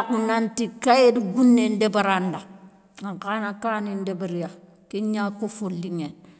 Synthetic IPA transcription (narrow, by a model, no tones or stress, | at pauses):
kunantikajedibunːendebaɾanda | akanakaːnindebaɾija | kiɲakofulːiŋen